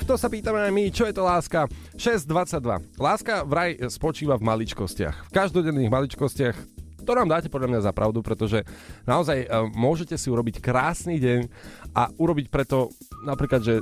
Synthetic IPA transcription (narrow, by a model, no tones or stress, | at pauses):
t̪ɔsapiːt̪amɛajmit͡ʃɔjɛt̪ɔlaːska | ʃɛzd̪ʋat͡sːaɟ̚d̪ʋa̰laːskavɾajspɔt͡ʃiːʋavmalit͡ʃkɔscɪa̰xfkaʒd̪ɔɟɛnːiːɣmalit͡ʃkɔscɪaxt̪ɔnaːmd̪aːcɛpɔd̪ʎamɲazapɾʔa̰ʊd̪upɾɛt̪ɔʒɛnaɔzajmʊɔʒɛcɛsiuɾɔbickɾaːsniːɟɛɲʔaʔuɾɔbicpɾɛt̪ɔ | napɾiːklad̪ʒɛ